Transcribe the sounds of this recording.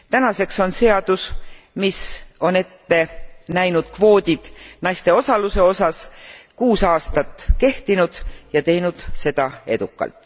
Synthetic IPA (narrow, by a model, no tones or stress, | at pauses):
t̪ænɑse̞kso̞nse̞ɑd̪̥us | miso̞ne̞t̪ːe̞næjnud̪̥̚kvo̞ːd̪ʲid̪̥nɑjst̪e̞o̞sɑluse̞o̞sɑskuːsɑːst̪ɑt̪ːˑke̞ht̪inud̪̥jɑt̪e̞jnud̪̥se̞d̪̥ɑe̞d̪̥ukːˑɑ̰lt̪ːˑ